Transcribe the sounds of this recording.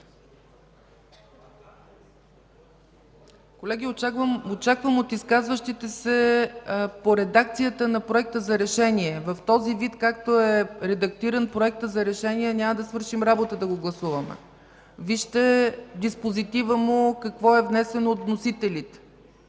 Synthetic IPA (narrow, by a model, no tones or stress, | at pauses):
kolɛɡ̟ʲiot͡ʃakvəmot̪iskazvəʃt̪it̪ɛsɛ | poɾɛd̪ak̚t̪sijət̪ənɐpɾoɛk̚t̪əzɐɾɛʃɛniɛvəft̪ɔzivit̪kakt̪oɛɾɛd̪ɐk̚t̪iɾənpɾoɛk̚t̪əzɐɾɛʃɛniɛnʲaməd̪ɐsvɤɾʃimɾabot̪əd̪ɐɡoɡlˠɐsuvəmɛ̰ | viʃt̪ɛd̪ispozit̪ivəmokɐkvɔɛvnɛsɛnoːt̪nosit̪ɛlit̪